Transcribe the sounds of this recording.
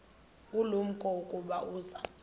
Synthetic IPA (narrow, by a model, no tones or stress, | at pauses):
ulum̩kʼɔukʼuɓauːza̰